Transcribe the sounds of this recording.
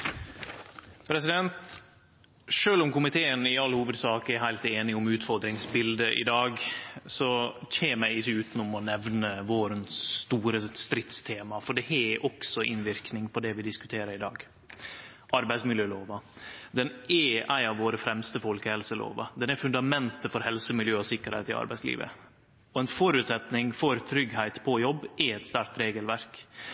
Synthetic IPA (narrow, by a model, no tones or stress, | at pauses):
pʰɾɛsɪd̪ɛnt̪ | ʂøːlʊmkʊmɪt̪ʰeːənɪɑlːhuːʋəd̪sɑːkəæɾɦæɪlt̪eːnɪʊmʉːt̪fɔɾd̪ɾɪŋsbɪld̪əʔɪ̰d̪ɑːɡsɔçeːmæɪɪçːəʉːt̪ənʊmɔnɛʋnəʋoːɾənsːt̪uːɾəst̪ɾɪt̪st̪ʰeːmɑfɔɖɛhɛʔɔksɔʔɪ̰nʋɪɾknɪŋpʰɔd̪ɛʋɪd̪ɪskʉt̪ʰeːɾəɾɪd̪ɑ̰ːɡ | ʔɑɾbæɪsmɪljøːloːʋɑd̪ɛnɛæɪɑʋːoːɾəfɾɛmst̪əfɔlkəhɛlsəlo̰ːʋɑ̰d̪ɛnɛɾfʉnd̪ɑmɛnt̪əfɔɾhɛlsəmɪljøːɔsɪkːəɾhæ̰ɪt̪ɪɑ̰ɾbæɪslḭːʋə̰ | ɔɛnfɔɾʉt̪sɛt̪nɪŋfɔɾt̪ʰɾʏɡɦæɪt̪pʰɔjɔbːʔɪɛt̪st̪æɾk̚t̪ɾeːɡəlʋæɾk